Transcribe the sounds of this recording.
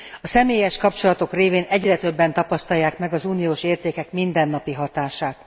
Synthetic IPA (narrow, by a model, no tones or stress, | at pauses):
ɒsɛmeːjɛʃkɒpt͡ʃo̞lɒt̪o̞kreːveːnɛɟrɛt̪ø̞bːɛnt̪ɒpɒst̪ɒjːaːkmɛɡɒzuːnijoːʃeːrt̪eːkɛkmind̪ɛnːɒpiɦɒt̪aːʃaːt̪